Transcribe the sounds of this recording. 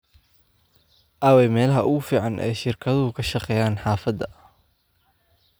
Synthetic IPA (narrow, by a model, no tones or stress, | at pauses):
ʔɐːwɛjmɛːlɐɦɐʔʊɣʊfiːʕɑnʔɛ̰jʃɪrkʰɐðʊʊkʰɐʃɑqɛːjaːnħɑːfɐd̪ɐ